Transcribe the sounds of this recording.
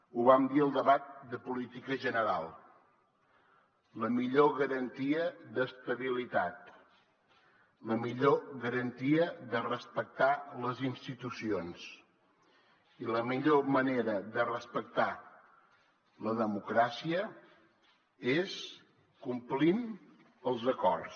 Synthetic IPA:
uβamd̪iəlˠd̪əβat̪̚d̪əpulit̪ikəʒənəɾa̰lˠ | ləmiʎoɣəɾənt̪iəðəst̪əβilit̪at̪̚ | ləmiʎoɣəɾənt̪iəðərəspək̚t̪aləzinst̪it̪usions | iləmiʎoməneɾəðərəspək̚t̪a | ləðəmukɾasiə | es | kumplin | əlˠzəkɔrs

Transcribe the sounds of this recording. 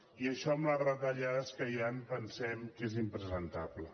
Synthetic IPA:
iəʃɔmarət̪əʎaskəjampənsɛmkezimpɾəzənt̪ablə̰

